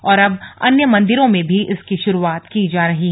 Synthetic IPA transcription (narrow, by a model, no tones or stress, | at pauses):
ɔːɾɐbɐnjəmɐ̃nd̪ɪɾõmẽbʱiʔɪskiʃʊɾuaːt̪kid͡ʒaːɾɐɦiɦ